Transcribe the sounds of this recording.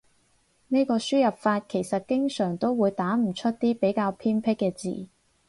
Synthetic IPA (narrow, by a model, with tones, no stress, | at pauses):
ne˥kɔː˧syː˥jɐ˨p̚faː˧t̚kʰe˨˩jsɐ˨t̚kɪ˥ŋsœː˨˩ŋt̪o˥wwuː˨˧jt̪aː˨˥m̩˨˩t͡ʃʰɵ˥t̚t̪iː˥pe˨˥jkaː˧wpʰiː˥npʰɪ˥kːɛː˧t͡sḭː˨˩